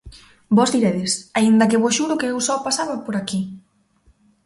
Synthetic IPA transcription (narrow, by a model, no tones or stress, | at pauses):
bɔzðiɾeðɪsaind̪ɐkɪβɔsʃuɾʊkeewsɔpasaβɐpoɾaki